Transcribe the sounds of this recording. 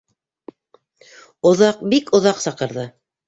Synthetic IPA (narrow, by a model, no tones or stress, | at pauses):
ŏðɑq̚bikŏðɑqsɑqɤ̆ɾðɤ